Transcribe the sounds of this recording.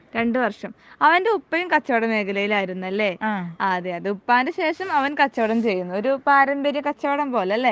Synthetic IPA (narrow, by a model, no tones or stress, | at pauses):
ɾe̞ɳɖuʋɐrʂɐmɐʋɐnde̞upːɐjumkɐt͡ɕːɐːɽɐme̞ːkɐlɐjilaːjiɾunːuɐlːe̞aːðeɐðɨupːaːndɨɕe̞ːʂɐmɐʋɐnkɐt͡ɕːoːɽɐmt͡ɕe̞jːunːuo̞ɾupaːɾɐmbɐɾjɐkɐt͡ɕːoːɽɐmpo̞ːlɐlːe̞